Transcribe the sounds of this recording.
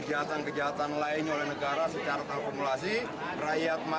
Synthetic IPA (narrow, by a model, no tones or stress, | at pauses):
əd͡ʒaɦat̪ankəd͡ʒaɦat̪anlaɪɲolɛhnəɡaɾasət͡ʃaɾat̪akumulasi | rajat̪̚ma